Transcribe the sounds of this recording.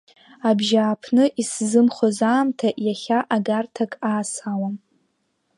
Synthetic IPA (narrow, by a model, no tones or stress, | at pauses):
abʒaːpʰnɨʔiszɨmχozaːmtʰaʔjaχʲaʔaɡartʰakʼaːsawa